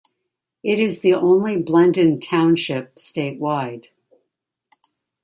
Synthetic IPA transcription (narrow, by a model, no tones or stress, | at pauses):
ɪɾɨzðiʔõʊ̃nliblɛ̃ndɨ̃ntʰãʊ̃nʃɪp̚steɪt̚waɪd̥